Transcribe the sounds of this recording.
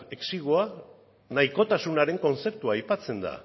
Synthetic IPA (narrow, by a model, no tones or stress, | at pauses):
eksiɣ̞oa | naiko̞t̪asunaɾe̞ŋko̞nt͡se̞pt̪uaːjpat͡se̞nd̪a̰